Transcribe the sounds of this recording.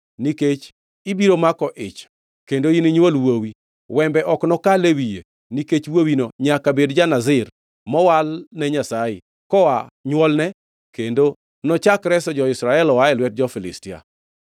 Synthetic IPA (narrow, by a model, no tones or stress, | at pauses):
niket͡ʃ | ibiɾomakɔʔɪt͡ʃ | kendoiniɲwolwowi | wɛmbɛʔɔknɔkalewije | niket͡ʃwowinoɲakabedd͡ʒanazɪr | mɔwalnɛɲasajɪ̰ | kɔwaɲwɔlnɛ | kendo | nɔt͡ʃakɾɛsɔd͡ʒɔɪsɾaɛlɔwaɛlwɛt̚d͡ʒɔfɪlɪ̰stɪa̰